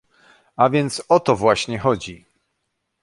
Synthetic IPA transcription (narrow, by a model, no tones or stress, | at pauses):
avʲjɛnt̪sɔt̪ɔvwaɕɲɛxɔd͡ʑi